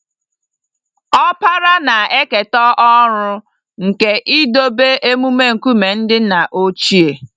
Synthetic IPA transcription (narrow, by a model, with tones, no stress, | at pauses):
ɔ˦pa˦ɾa˦na˨e˦ke˨tɔ˦ʔɔ˦ɾʊ˦ | ŋ̩˨ke˨ʔi˦do˦be˦ʔe˦mu˦me˦ŋ̩˨ku˦me˨n̩˦dɪ˦na˨ʔo˦t͡ʃi˦e˨